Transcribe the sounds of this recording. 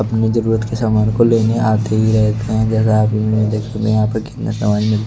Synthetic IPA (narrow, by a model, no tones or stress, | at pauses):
ɐpnezɐɾuːɾət̪kesaːmaːnkoleːneaːt̪eɦiɾɛɦt̪eɦɛ̃d͡ʒɛːs̬aaːpjimɪlmẽd̪eːkʰemḛjɦãːpɐɾkɪ̥t̪na̰sɐmaːd͡ʒmɪl